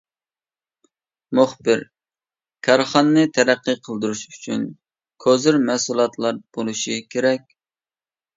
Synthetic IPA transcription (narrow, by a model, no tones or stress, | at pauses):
mʊχbɪɾ | kʰɑɾχɑnɨnɨt̪ʰɛɾæqːəqʰəlˠd̪uɾuʃyt͡ʃʰyn | kʰøzyɾmɛsulˠɑt̪ʰlˠɑɾb̥olˠuʃikʲʰeɾɛkʲ